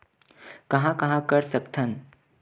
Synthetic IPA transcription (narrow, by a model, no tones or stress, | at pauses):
kɐɦãkɐɦãkɐɾsɐkt̪ʰən